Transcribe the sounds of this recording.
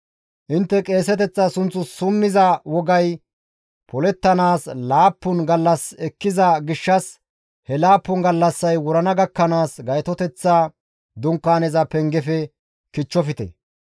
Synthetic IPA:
ʔɪnt̪ːɛkʼe̞ːsɛt̪ɛt͡sːɐsʊnt͡sːʊsʊmːɪzɐwɔɡɐj | pʰɔlɛt̪ːɐnaːslaːpːʊnɡɐlːɐsɛkːɪzɐɡɪʃːɐs | hɛlaːpːʊnɡɐlːɐsːɐjwɔɾɐnɐɡɐkːɐnaːsɡɐjt̪ɔt̪ɛt͡sːaː | d̪ʊŋkːaːnɛzɐpɛŋɡɛfɛ | kɪt͡ʃːɔfɪt̪ɛ̰

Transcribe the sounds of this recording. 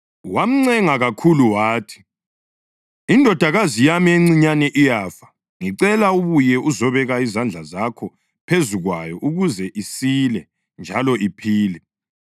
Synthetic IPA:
wam̩ŋ͡ǀɛŋaɣakʰuluwaːtʰi̥ | indʱɔd̥ʱaɣazijamieŋ͡ǀiɲanɛʔijaːfḁ | ŋiǀɛlauβujɛuzɔβɛɣaizand͡ɮʱazakʰɔ | pʰezuɣwajɔʔuɣuzɛʔisilɛ | nd͡ʒʱalɔʔipʰiːlɛ

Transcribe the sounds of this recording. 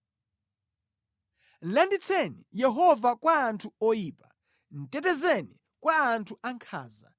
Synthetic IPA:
landit͡sʰɛnijɛɦɔvakwaːntʰuɔjiːpḁ | n̩tɛtɛzɛni | kwaːntʰuʔaŋkʰa̰ːza̰

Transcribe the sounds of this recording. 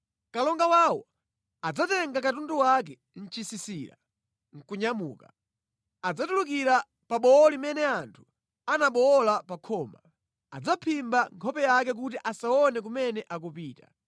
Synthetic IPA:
kalɔŋɡawawɔ̰ | ad͡zatɛŋɡakatunduwak̬ɛ | n̩t͡ʃisisiːɾa̰ | ŋ̩kuɲamuːka | ad͡zatuluk̬iɾa | paɓɔɔlimɛnɛantʰu̥ | anaɓɔlapakʰɔːma | a̰d͡zapʰimbaŋkʰɔpɛjak̬ɛk̬ut̬iʔasaɔnɛk̬umɛnɛʔakupiːta

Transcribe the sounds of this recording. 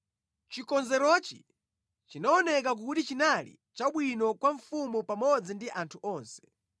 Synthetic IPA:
t͡ʃikɔnzɛɾɔt͡ʃḭ | t͡ʃinaɔnɛk̬ak̬utit͡ʃinalḭ | t͡ʃaɓwinɔkwaɱfumupamɔd͡zindiʔantʰuʔɔːnsɛ̥

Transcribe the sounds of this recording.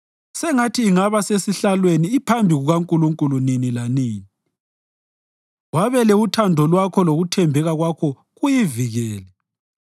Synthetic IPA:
sɛŋatʰiːŋaβasesiɬalweniːpʰambʱiɣuɣaŋkʼuluŋkʼuluninilaniːni | waβɛlɛutʰandʱɔlwakʰɔloɣutʰɛmbʱɛɣaɣwakʰɔ | ɣujiviɣɛːlɛ

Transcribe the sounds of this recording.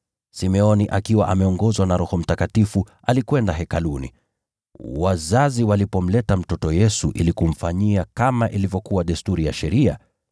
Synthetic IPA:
simɛɔniʔakiwa̰ʔamɛɔŋɡɔzwanaɾɔhɔm̩takatifu | alikwɛndaɦɛkalunḭ | wazaziwalipɔm̩lɛtam̩tɔtɔjɛsuʔilikum̩faɲiakamaʔilivjɔkuwaɗɛstuɾijaʃɛɾia̰

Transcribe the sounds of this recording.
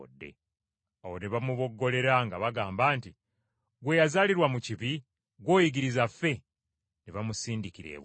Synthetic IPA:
dːe̞̰ | awoneβamuβo̞ɡːo̞le̞ɾaŋɡaβaɡaːmbaːnti | ɡwe̞jazaːliɾwamuciβi | ɡwo̞ːjiɡiɾizafːe̞ | neβamusiːndikiɾe̞̰βw

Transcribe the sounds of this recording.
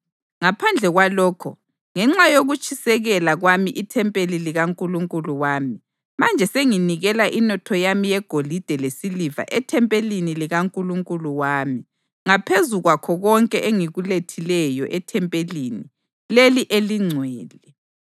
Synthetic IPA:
ŋapʰand͡ɮʱɛɣwalɔːkʰɔ̰ | ŋɛŋ͡ǁajoɣut͡ʃʼʰisɛɣɛlaɣwamiʔitʰɛmpʼeliliɣaŋkʼuluŋkʼuluwaːmi | mand͡ʒʱɛseŋiniɣɛlaʔinɔtʰɔjamijɛɡ̥ʱolid̥ʱɛlesiliva̰ʔɛtʰɛmpʼeliniliɣaŋkʼuluŋkʼuluwaːmi | ŋapʰezuɣwakʰɔɣɔŋkʼɛʔeŋiɣuletʰilɛjɔʔɛtʰɛmpʼelini | leliʔeliŋ͡ǀʱwɛːlɛ

